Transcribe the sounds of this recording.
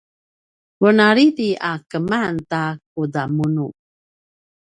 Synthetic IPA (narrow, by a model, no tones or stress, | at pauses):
wənaɾitiakəmantak̚udamunu